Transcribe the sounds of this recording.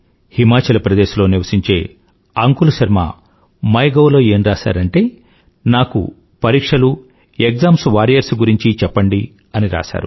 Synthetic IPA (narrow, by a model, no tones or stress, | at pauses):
himaːt͡ʃɐlɐpɾɐd̪eːʃulo̞ːniʋɐsiɲt͡ʃe̞ː | ɐŋkulɐʃɐɾma̰ː | mɐjɡɐwlo̞ːe̞ːnɾaːʃa̰ːɾɐɳʈe̞ː | naːkṵ | pɐɾiːkʂɐlu | ekzaːmsʋaːɾijɐɾsɡuɾiɲt͡ʃit͡ʃɛpːɐɳɖi | ɐniɾa̰ːʃa̰ːɾu